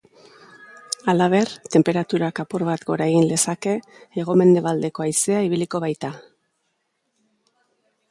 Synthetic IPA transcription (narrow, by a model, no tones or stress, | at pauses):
alaβ̞e̞ɾt̪e̞mpe̞ɾat̪uɾakapuɾβat̪ɡo̞ɾaeɣinle̞sake̞ːɣ̞o̞me̞nd̪e̞βald̪e̞ko̞ajse̞aiβiliko̞βajt̪a